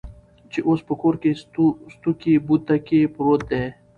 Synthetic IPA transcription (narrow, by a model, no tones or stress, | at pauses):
t͡ʃeʔospəkoɾkest̪ukibut̪ːakepɾot̪̚d̪e